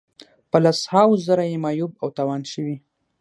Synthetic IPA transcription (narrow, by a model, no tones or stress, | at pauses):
pəlashɑwzəɾajemɑjubawt̪ɑwɑnʃəwi